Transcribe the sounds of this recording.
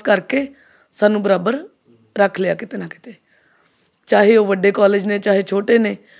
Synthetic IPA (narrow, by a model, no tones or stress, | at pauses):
kəɾkeː | saːnũːbəɾaːbəɾ | ɾəkʰlɪja̰ːkɪt̪eːnãːkɪt̪eː | t͡ʃaːɦeːoːʋəɖeːkɔːleːd͡ʒneːt͡ʃaːɦeːt͡ʃʰoːʈeːneː